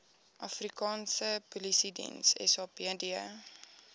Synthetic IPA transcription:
ʔɐfrikɑːnsəpulisidḭnsɛ̰sɑːpiədiə

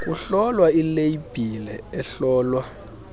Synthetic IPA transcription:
k̬ʼuɬɔlwailejib̥ʱilɛɛɬɔːlwa

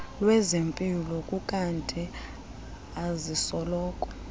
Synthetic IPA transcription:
lwɛzempʼilɔkʼukʼantʼi | azisɔlɔːkʼɔ̥

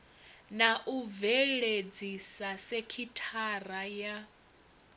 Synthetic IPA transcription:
naʔuvɛɺed͡zisasekʰitʰaraja

